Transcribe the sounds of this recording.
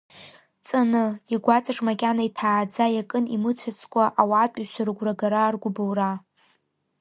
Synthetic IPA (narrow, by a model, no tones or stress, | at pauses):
t͡sʼanɨiɡʷat͡sʼaʈ͡ʂʼmakʲʼanaitʰaːd͡zajakʼɨnimɨt͡sʷʰat͡sʰkʷʼaʔawapʼiʃʷaɾɨɡʷraɡaɾarɡʷʊbowra